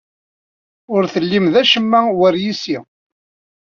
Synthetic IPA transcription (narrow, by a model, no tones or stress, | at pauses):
ʊɾθəlːimðæʃəmːæwəɾjisi